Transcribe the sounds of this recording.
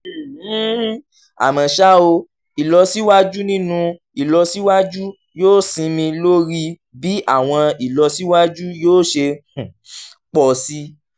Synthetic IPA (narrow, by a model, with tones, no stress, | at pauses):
a̰˨mã˨ʃa˦o˧ | i˨lɔ˧si˦wa˦d͡ʒu˦nĩ˦nũ˧ | i˨lɔ˧si˦wa˦d͡ʒu˦ | joː˦sĩ˧mĩ˧lo˦ɾi˦ | bi˨˦a˦˨w̃ɔ̃˧i˨lɔ˧si˦wa˦d͡ʒu˦joː˦ʃe˧ | k͡pɔ˨si˦